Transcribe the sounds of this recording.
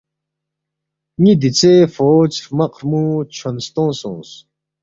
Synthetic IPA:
ŋid̪it͡sʰeːfoːt͡sɾmɐqɾmut͡ɕʰɐnst̪õːsõ̰ːns

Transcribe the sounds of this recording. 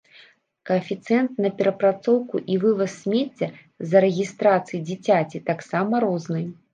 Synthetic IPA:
kɐːfʲit̪sɨɛnt̪nɐpʲɛɾɐpɾat̪sɔwkuʔivɨvɐsːʲmʲet͡sʲːɛ | zɐɾɛɣʲist̪ɾat̪sɨjid͡zʲit͡sʲat͡sʲit̪aksamɐɾɔznɨj

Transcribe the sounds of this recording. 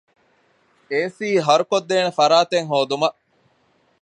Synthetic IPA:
eːsiːɦɐɾukod̪ːeːnefɐɾaːt̪eŋɦoːd̪umɐʔ

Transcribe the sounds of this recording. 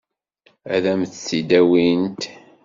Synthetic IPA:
æðæmθt͡sːid̪æwint̪

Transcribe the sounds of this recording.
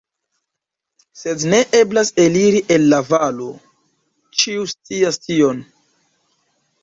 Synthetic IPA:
se̞dne̞ʔe̞blaseliɾiʔe̞lːavalo̞ | t͡ʃiust͡siastio̞n

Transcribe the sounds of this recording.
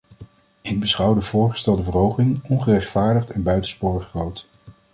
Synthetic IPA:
ɪɡ̚bəsχʌwdəvʊːɹχə̥stɛlˠdəvərɦowχɪŋɔnχərɛχtfaːɹdəχtɛnbœɥtənspʊːrəχːrowt

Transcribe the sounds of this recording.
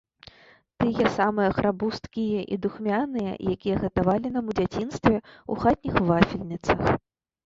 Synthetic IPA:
t̪ɨjɛsamɨjɐxɾabust̪kʲijɐʔḭd̪uxmʲanɨjɐ̰jakʲijɐɣɐt̪avalʲinɐmud͡zʲat͡sʲin̪st̪vʲɛṵxat̪̚ʲnʲixvafʲilʲnʲit̪sɐx

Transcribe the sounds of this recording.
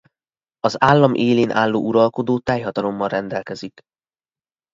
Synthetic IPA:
ɒzaːlːɒmʔeːleːnʔaːlːo̰ːʔuɾɒlko̞d̪oːt̪ɛjɦɒt̪ɒlomːɒnrɛnd̪ɛlkɛzik

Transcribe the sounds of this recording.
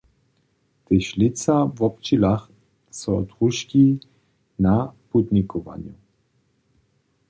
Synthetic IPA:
t̪ɪʃlɪt͡savɔp̚t͡ʃilax | sɔɔt̪ʁuʃki | naput̪nʲikʰɔva̰nju

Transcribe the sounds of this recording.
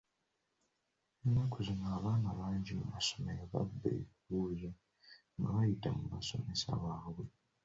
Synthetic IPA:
enːakuzinaːβaːnaβaːɲɟimumaso̥meɾaβa̰bːḛβiβuːza | ŋɡaβajitamumaso̞̰me̞sa̰βaːβwe̞

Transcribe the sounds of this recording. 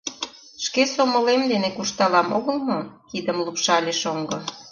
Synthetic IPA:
ʃkesomolemd̪enekuʃt̪ɑlɑmoɣəlmokid̪əmlupʃɑlʲeʃoŋɡɤ̆

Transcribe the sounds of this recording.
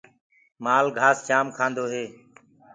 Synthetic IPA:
maːlɡʱaːst͡ʃaːmkʰãːnd̪oːɦeː

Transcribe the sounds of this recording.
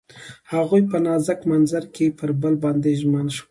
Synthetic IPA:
haɣujpənɑzakmanzaɾkepəɾbəlbɑnd̪eʒmanʃwə

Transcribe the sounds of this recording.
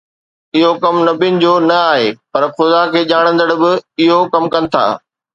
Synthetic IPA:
ɪɦokɐmnɐbinɪ̆d͡ʑoːnɐaːɦeːpɐɾxʊd̪akʰeːʄaːɽ̃ə̃nd̪əɽbɪɪɦokɐmkɐnɪ̆t̪ʰa̰ː

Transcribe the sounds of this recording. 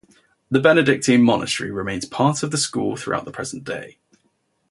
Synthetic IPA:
ðəbɛnɪdɪk̚tʰĩnmɒnʔə̰təɹḭɹɪmẽɪ̃nz̥pʰɑˑtʰəvðəskṵːlˠθɹṵa̰ʊʔðəpʰɹ̥ɛz̥ə̃nd̥ḛɪ

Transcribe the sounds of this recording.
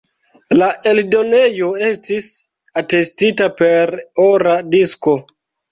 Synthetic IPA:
laʔe̞ldo̞ne̞jo̞e̞stis | ate̞stitape̞ɾoɾadisko̞

